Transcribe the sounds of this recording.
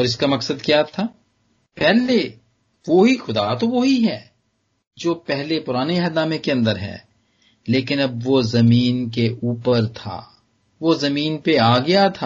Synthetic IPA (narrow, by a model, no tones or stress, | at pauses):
ɔːɾɪskamɐksəd̪kjaːt̪ʰaː | pɛɦle | ʋoɦixʊd̪at̪oʋoɦiɦɛː | d͡ʒoːpɛɦlepʊɾaːneɐɦd̪aːmekeɐ̃nd̪əɾɦɛ̰ː | leːkɪnɐb̚ʋozɐmiːnkeʔuːpəɾt̪ʰa̰ː | ʋozɐmiːnpeaːɡɐjat̪ʰaː